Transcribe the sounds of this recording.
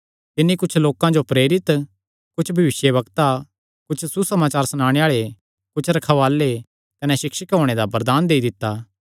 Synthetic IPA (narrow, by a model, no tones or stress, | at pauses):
t̪ɪnːikʊt͡ʃʰloːkãd͡ʒopɾeːɾɪt̪ | kʊt͡ʃʰbʱɐʋɪsjeβɐkt̪a | kʊt͡ʃʰsusɐmaːt͡ʃaːɾsɐnaːɽ̃eaːɭe | kʊt͡ʃʰɾɐkʰaʋaːlːe | kɐnɛʃɪkʃɪkɦoːɽ̃ed̪abɐɾd̪aːnd̪eːid̪ɪt̪ːaː